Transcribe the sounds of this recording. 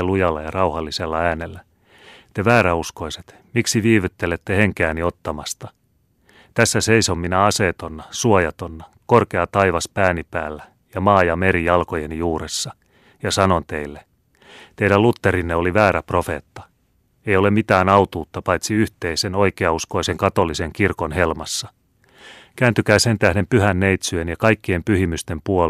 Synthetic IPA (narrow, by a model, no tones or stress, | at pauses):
lujɑlːɑjɑrɑuhɑlːiselːɑæːnelːæ | t̪eʋæːɾæusko̞iset̪ | miksiʋiːʋyt̪ːelet̪ːeheŋkæːnio̞t̪ːɑmɑst̪ɑ | t̪æsːæseisomːinæɑseːt̪onːɑsuojɑt̪onːɑ | korkeɑt̪ɑiʋɑspæːnipæːlːæ | jɑmɑːjɑmeɾijɑlkojenijuːɾesːɑ | jɑsɑno̞nt̪e̞ilːe | t̪eiɾælut̪ːe̞ɾinːeo̞liʋæːɾæpro̞fe̞ːt̪ːɑ̥ | ejo̞le̞mit̪æːnɑut̪uːt̪ːɑpɑjt̪siyht̪eiseno̞ikeɑusko̞ise̞ŋkɑt̪o̞lːise̞ŋkirko̞nhe̞lmɑsːɑ | kæːnt̪yk̟æːse̞nt̪æhde̞mpyɦænːejt̪syenjɑkɑjkːie̞mpyɦimyst̪empuo